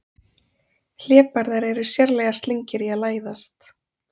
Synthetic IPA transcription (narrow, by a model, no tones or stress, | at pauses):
l̥ɛːpaɾðaɾɛɾʏsjɛɾlɛːɣast̪liɲcɪɾiaðlaːjðast̪